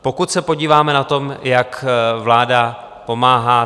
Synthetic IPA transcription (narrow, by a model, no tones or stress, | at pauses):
po̞kut̪sɛpo̞ɟiːvaːmɛnat̪o̞mjakvlaːda | po̞maːɦaː